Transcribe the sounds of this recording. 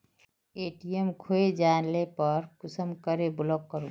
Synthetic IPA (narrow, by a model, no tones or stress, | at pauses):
eːʈijemkʰoed͡ʒaːnlepəɾkʊsəmkəɾebʊlɔkːəɾũ